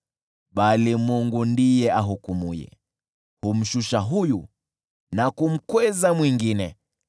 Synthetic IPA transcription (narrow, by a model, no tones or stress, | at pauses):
ɓalimuŋɡundijɛaɦukumujɛ̰ | hum̩ʃuʃaɦuju | nakum̩kwɛzamwiŋɡinɛ